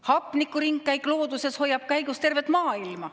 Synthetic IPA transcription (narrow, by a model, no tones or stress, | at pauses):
hɑpːˑnikːˑuɾiŋɡːæjklo̞ːd̪use̞sho̞jːɑb̥̚kæjɡ̥ust̪e̞rve̞t̪ˑmɑːilmɑ